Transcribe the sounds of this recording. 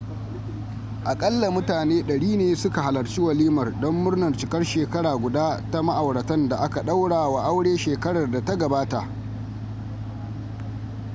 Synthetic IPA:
ʔa˨kʼɐ˦lːa˨mʊ˦taː˨neː˦ɗɐ˨ɽiː˦neː˦sʊ˦ka˨ha˨lɐ˨rt͡ʃi˦wɐ˨liː˦mɐ˨rdɔ˦mːʊ˦rnɐ˨rt͡ʃɪ˨kɐ˦rʃeː˨kɐ˦ɽaː˨ɡʷʊ˨daː˦ta˦ma˦ʔa˨wɽɐ˨tɐ˦nda˨ʔa˦ka˨ɗa˦wɽaː˨wa˨ʔa˦wɽeː˦ʃeː˨kɐ˦ɽɐ˨rda˨ta˦ɡɐ˨baː˦ta˨ʔ

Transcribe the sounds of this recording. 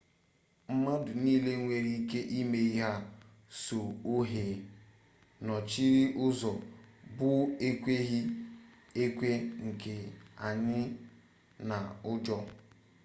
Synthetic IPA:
m̩˦ma˦dʊ˨niː˦le˦ŋʷe˨ɾi˦i˦ke˦ʔi˦me˦i˦ɦa˦ | so˨o˦ɦeː˨ | nɔ˨t͡ʃi˦ɾi˦ʔʊ˦zɔ˨bʊ˦e˦kʷe˦ɦi˦ | e˦kʷe˦ŋ̩˨ke˨a˨ɲɪ˦ | na˨ʊ˦d͡ʒɔ˦

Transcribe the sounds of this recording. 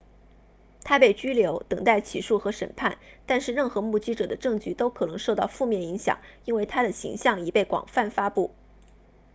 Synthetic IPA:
t̪ʰa˥pe˥˩ɪt͡ɕy˥ljo˧˥ʊt̪ɤ˨˩ŋt̪a˥˩ɪt͡ɕʰi˨˩ʂu˥˩xɤ˧˥ʂə̰˨˩npʰa˥˩nt̪a˥˧nʂɻ̩˥˧ɻə˥˩nxɤ˧˥mu˥˩t͡ɕi˥ʈ͡ʂɤ˨˩d̪ə˦ʈ͡ʂɤ˥˩ŋt͡ɕy˥˩t̪o˥ʊkʰɤ˨˩nɤ˧˥ŋʂo˥˧ʊt̪ɑ˥˧ʊfu˥˧mjɛ˥˩ni˧˥ŋɕjɑ̰˨˩ŋi˥nwe˥˩ɪt̪ʰa˥d̪ə˨ɕḭ˧˥ŋɕjɑ˥˩ŋi˨˩pe˥˩ɪkwɑ̰˨˩ŋfa˥˩nfa˥pu˥˩

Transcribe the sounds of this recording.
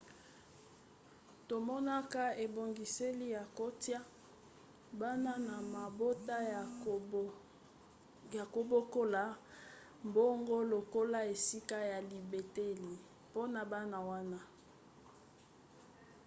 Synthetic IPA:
to˨mɔ˦na˦ka˦e˨bo˨ŋɡi˨se˦li˦ja˨ko˦tja˦ | ba˦na˦na˨ma˨bo˦ta˦˨ | ja˨ko˨bo˦ko˦la˨˦ | mbo˦ŋɡo˦lo˨ko˦la˦e˨si˦ka˦ja˨li˨be˨te˦li˨ | po˦na˨ba˦na˨wa˦na˦

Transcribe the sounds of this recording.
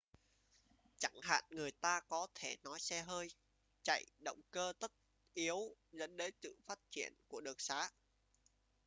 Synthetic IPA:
t͡ɕa˧˩ŋha̰ː˧˨nŋɨ˨˩əjt̪aː˧kɔ˨˦t̪ʰe˧˩nɔ˨˦jsɛ˧ɦəː˧j | t͡ɕa̰˧˨jɗə̰˧˨wŋ͡mkəː˧t̪ə˦˥t̚ | ʔi˨˦əwzə̰˧˥nɗə˨˦jsɨ̰˧˨faː˦˥t̚t͡ɕi˧˩ənku˧˩əɗɨ˨˩ək̚saː˨˦

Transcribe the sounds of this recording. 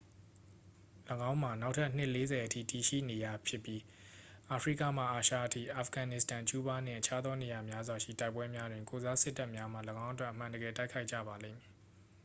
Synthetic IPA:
ləɡã˦ʊ̃m̥a˨na˦ʊʔtʰa˦˨n̥ɪ˦ʔle˦zɛ˨ʔətʰḭ˦˨ti˨ʃḭ˦˨ne˨ja˨pʰjɪ˦˨pji˦ | ʔa˨pʰɹḭ˦˨ka̰˦˨m̥a̰˦˨ʔa˨ʃä̰˦˨ʔətʰḭ˦˨ʔa˨fɡã˨nɪ˦˨stã˨t͡ɕu˦ba˦n̥ɪ̰̃˦˨ʔət͡ɕʰa˦d̪ðɔ˦ne˨ja˨mja˦zwa˨ʃḭ˦˨ta˦ɪpːwɛ˦mja˦dwɪ̃˨ŋko˨za˦sɪ˦tːa˦ʔmja˦m̥a̰˨lə˨ɡã˦ʊ̃ʔət̬wɛ˦ʔəm̥ã˨ndə˨ɡɛ˨ta˦ɪkʰa˦ɪʔt͡ɕä̰˦˨ba˨lḛ̃˦˨mi˨

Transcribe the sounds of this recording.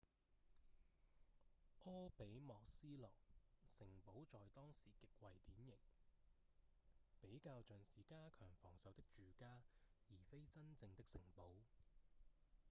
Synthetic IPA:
ʔɔː˥pe˨˥jmɔː˨k̚siː˥lɔː˨k̚sɪ˨˩ŋpo˨˥wt͡sɔː˨jt̪ɔː˥ŋsiː˨˩kɪ˨k̚wɐ˨jt̪iː˨˥njɪ˨˩ŋ | pe˨˥jkaː˧wt͡ʃœː˨nsiː˨˥kaː˥kʰœː˨˩ŋfɔː˨˩ŋsɐ˨˧wt̪ɪ˥k̚t͡ʃyː˨kaː˥jiː˨˩fe˥jt͡sɐ˥nt͡sɪ˧ŋt̪ɪ˥k̚sɪ˨˩ŋpo˨˥w

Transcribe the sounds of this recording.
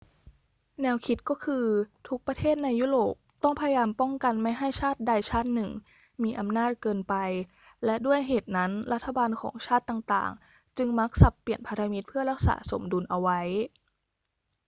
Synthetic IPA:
nɛː˧wkʰi˦˥t̪̚kɔː˥˩kʰɯː˧t̪ʰu˦˥k̚pɾa˧t̪ʰeː˥˩t̪̚na˧jːuː˥˩ɾoː˨˩p̚t̪ɔ˥˩ŋpʰa˧ja˧jaː˧mpɔ˥˩ŋka˧nma˥˩jɦa˥˩jt͡ɕʰaː˥˩t̪̚da˧jt͡ɕʰaː˥˩t̪̚nɯ˨˩ŋ | miː˧ʔa˧mnaː˥˩t̪̚kɤː˧npa˧j | lɛ˦˥ʔdu˥˩əjɦeː˨˩t̪̚na˦˥nɾa˦˥t̪ʰːa˧baː˧nkʰɔ̰ː˩˦ŋt͡ɕʰaː˥˩t̪ːaː˨˩ŋt̪a̰ː˨˩ŋ | t͡ɕɯ˧ŋma˦˥k̚sa˨˩pːi˨˩ənpʰa˧ɾa˧mi˦˥t̪̚pʰɯ˥˩ɐɾa˦˥k̚sa̰ː˩˦so̰˩˦mdu˧nʔa˧wa˦˥j

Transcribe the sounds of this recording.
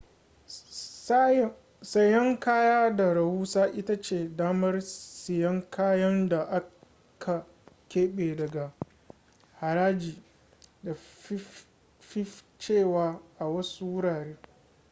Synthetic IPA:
sɐ˦jɐ˦ŋkaː˦jaː˦da˨ɾɐ˨wuː˦saː˦ʔɪ˦ta˦t͡ʃeː˦˨daː˦mɐ˦rsɪ˨jɐ˦ŋkʰaː˦jɐ˦nda˨ʔa˦ | kʰa˨ | kʲeː˦ɓeː˨dɐ˨ɡa˨ | ha˨ɾaː˦d͡ʒiː˨ | da˨˦ | fɪ˦ | t͡ʃeː˦˨waː˨ʔa˨wɐ˦su˦wʊ˦ɽaː˨ɾeː˦

